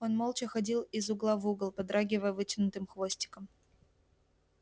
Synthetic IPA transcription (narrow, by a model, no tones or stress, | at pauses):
onmolˠt͡ɕɪxɐdʲilˠɪzʊɡlˠavuɡlˠpɐd̪ɾaɡʲɪvəjəvɨtʲɪnʊt̪ɨmxvo̞sʲtʲɪ̥kəm